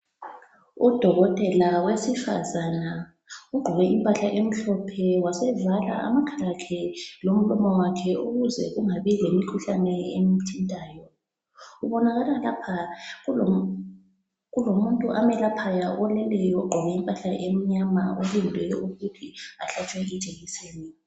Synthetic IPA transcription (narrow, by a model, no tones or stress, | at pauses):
ud̥ʱɔɣɔtʼɛlawesifa̰zana | uɡ͡ǃʱɔɣɛʔimpʼaɬaʔem̩ɬɔpʰɛwasɛvala̰ʔa̰makʰarakʰɛlom̩lɔmɔwakʰɛuɣuzɛ̰ɣuŋaβilemikʰuɬanɛem̩tʰindʱʼaːjɔ | uβɔnaɣalalapʰaɣuo | ɣulomuntʼuʔamɛlapʰajaʔɔlɛlɛjɔuɡ͡ǃʱɔβɛimpʼaɬaʔem̩ɲamaʔulindʱwɛjɔuɣutʰiaɬat͡ʃʼwɛi̥t͡ʃʼeɣiseːni